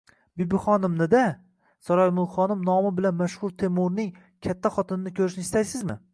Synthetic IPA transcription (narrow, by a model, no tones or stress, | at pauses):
bɪbɪχɒnɪmnɪd̪a | sɒɾɒjmʊlˠχɒnɪmnɒmɪbɪlanmaʃhʊɾt̪ʰe̞mʊɾnɪŋ | kʲʰat̪ʰːaχɒt̪ʰɪnɪnɪkʲʰɵɾɪʃnɪst̪ajsɪzmɪ̰